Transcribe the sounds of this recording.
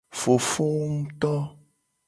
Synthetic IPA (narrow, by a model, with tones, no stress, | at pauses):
fo˨fo˦wŋ̩u˦t̪ɔ˦